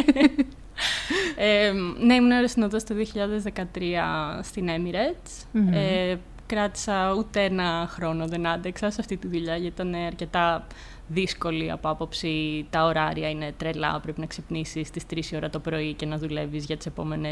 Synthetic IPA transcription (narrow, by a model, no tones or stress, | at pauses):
eneimuneɾesinot̪ɐst̪oðioçiʎɐðezðe̞kɐt̪ɾiɐst̪ine̞miɾet͡st͡s | e | kɾɐt̪i̥sɐut̪eenɐxɾo̞no̞ðenɐd̪eksɐseɐft̪it̪iðuʎɐʝɐit̪ɐne̞ɐɾce̞t̪ɐ | ðisko̞liɐ̰po̞ɐpo̞psit̪ɐo̞ɾɐɾiɐine̞t̪ɾe̞lɐ̰pɾe̞pinɐksepnisist̪ist̪ɾisio̞ɾɐt̪o̞pɾo̞ice̞nɐðule̞vizʝɐt̪i̥se̞po̞me̞nes